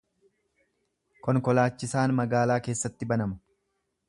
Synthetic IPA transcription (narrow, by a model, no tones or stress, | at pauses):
kɔŋkɔlaːt͡ʃːɪsaːnmɐɡaːlaːke̞ːsːɐt̪ːɪbɐnɐmɐ̥